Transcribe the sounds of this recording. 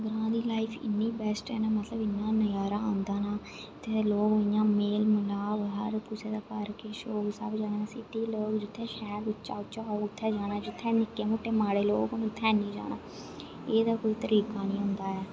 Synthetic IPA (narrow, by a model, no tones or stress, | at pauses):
ɡɾãːd̪iːlaːifʰɪ̰nːiːbɛsʈɛːnaːmət̪ləbɪnːãːnəjaːɾaːãːnd̪aːnaː | ɪt̪ʰːeːloːkːjãːmeːlməlaːbɦə̰ɾpʊseːd̪aːkəɾkeːʃoːksa̰bd͡ʒãːaːnasiːt̪iːloːkd͡ʒɪt̪ʰːẽːʃɛːbɪt͡ʃːt͡ʃːa̰ːʊt͡ʃːaːoːʊt̪ʰːɛːd͡ʒaːnaːd͡ʒɪt̪ʰːɛ̃ːnɪkːeːmʊʈːeːmaːɽeːloːkʊnʊt̪ʰːɛːnĩːd͡ʒa̰ːna̰ː | eːd̪aːkoːiːt̪əɾiːkaːnĩːɦʊ̃nd̪aːɛː